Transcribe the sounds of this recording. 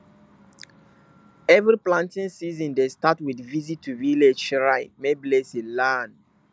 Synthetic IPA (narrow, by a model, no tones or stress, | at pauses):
ɛvɹiplãntĩnsizɔ̃ndestatwidvizitʰːuviled͡ʒɹaɪmebilesilan